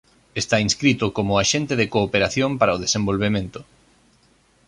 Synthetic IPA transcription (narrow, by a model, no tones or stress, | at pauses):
est̪ainskɾit̪ʊkomʊaʃent̪eðekoːpeɾaθjompaɾaoðesẽmbolβ̞emẽnt̪ʊ